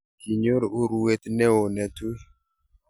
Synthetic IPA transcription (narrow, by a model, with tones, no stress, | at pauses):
ki˨ɲo˦ɾu˦ɾu˦e˦t̪nɛ˦o˨nɛ˨tu˦